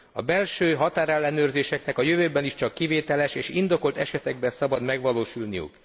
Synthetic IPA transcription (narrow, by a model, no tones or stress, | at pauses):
ɒbɛlʃøːɦɒt̪aːɾɛlːɛnøːrzeːʃɛknɛkɒjøvøːbɛniʃt͡ʃɒkːiveːt̪ɛlɛʃeːʃind̪o̞ko̞lt̪ɛʃɛt̪ɛɡbɛnsɒbɒd̪mɛɡʋɒloːʃulnijṵk